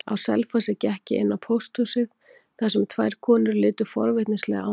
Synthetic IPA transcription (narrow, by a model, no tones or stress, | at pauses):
a̰wsɛ̰lfasɛcɛhcɪʔɪ̰nːawpʰowst̪husɪð | θasɛmt̪ʰvaːjɾ̥kʰɔːnʏɾlɪːt̪ʏ̥fɔ̰ɾvɪht̪nɪslɛ̰ɣaa